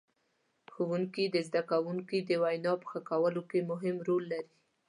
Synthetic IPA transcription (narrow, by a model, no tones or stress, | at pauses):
xowuŋkid̪əzd̪akawuŋkid̪əwajnɑpə̥xakawəlokemʊɦɪmɾolːaɾi